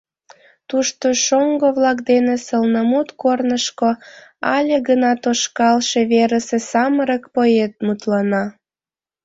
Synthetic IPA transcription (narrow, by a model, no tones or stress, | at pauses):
t̪uʃt̪oʃoŋɡoβlɑkd̪enesəlnəmut̪kornəʃkoɑlʲeɣənɑt̪oʃkɑlʃeβeɾəsesɑməɾəkpojet̪̚mut̪lɑnɑ